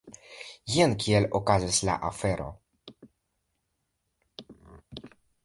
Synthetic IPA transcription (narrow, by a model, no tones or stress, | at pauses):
jenkʰielokazisla̰ʔafeɾo̞̰